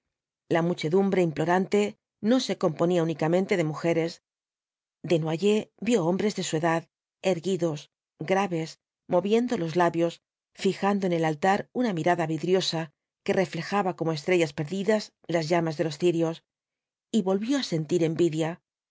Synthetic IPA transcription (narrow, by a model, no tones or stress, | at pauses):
lamut͡ʃe̞ðumbɾe̞implo̞ɾant̪e̞ | no̞se̞ko̞mpo̞niaunikamẽ̞nt̪e̞ðe̞muxe̞ɾe̞s | d̪e̞nwaʝe̞bjo̞ombɾe̞zðe̞sue̞ðað | e̞ɾɣiðo̞s | ɡɾaβe̞s | mo̞βje̞nd̪o̞lo̞zlaβjo̞s | fixand̪oe̞ne̞lalt̪aɾunamiɾaðaβiðɾjo̞sa | ke̞re̞fle̞xaβako̞moe̞st̪ɾe̞ʝaspe̞ɾðiðaz | lazʝamazðe̞lo̞sθiɾjo̞s | iβo̞lβjo̞ase̞nt̪iɾe̞mbiðja